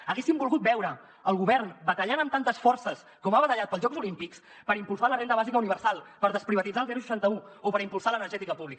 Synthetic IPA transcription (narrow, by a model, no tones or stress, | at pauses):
əɣesimbulˠɣut̪̚bɛwɾəː | lˠɣ̞uβɛɾnbət̪əʎanəmt̪ant̪əsfɔrsəs | kɔmaβət̪əʎat̪̚pəlˠʒɔɡzulimpiks | pəɾimpulˠsalərend̪əβazikəuniβ̞əɾsalˠpəɾðəspɾiβət̪id͡zalˠzɛɾusə̥ʃant̪əuopəɾimpulsalənəɾʒɛt̪ikəpuβlik